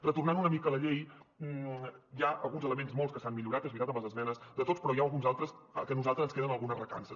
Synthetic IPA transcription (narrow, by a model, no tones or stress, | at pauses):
rət̪urnanunəmikəːləʎej | jaəlˠɣunzələmenzmolˠskəsanmiʎuɾat̪ezβit̪at̪əmləzəzmɛnəzd̪ət̪ospɾɔjaəlˠɣunzalˠt̪ɾəsə̰kənuzalˠt̪ɾəzənskeðənəlˠɣunərəka̰nsə